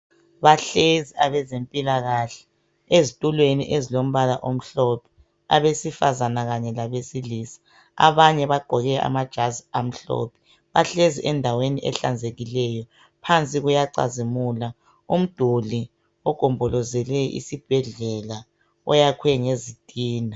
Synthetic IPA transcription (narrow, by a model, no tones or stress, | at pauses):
βaɬeziaβɛzempʼilaɣaɬɛ̥ | ezitʼulweniʔezilom̩βalaʔom̩ɬɔpʰɛ̥ | a̰βesifazanaɣaɲɛlaβesilisḁ | a̰βaɲɛβaɡ͡ǃʱɔɣɛa̰mad̥ʒ̥ʱaziam̩ɬɔ̰pʰɛ̥ | βaɬeziʔɛndʱaweniʔɛ̰ɬand͡zʱeɣilɛjɔ | pʰant͡sʼiɣujaǀa̰zimula | um̩d̥ʱuli | ɔɡ̥ʱɔmbʱɔlɔzɛlɛʔḭsib̥ʱɛɮɛla | ɔ̰jakʰwɛŋezid̥ʱʼiːna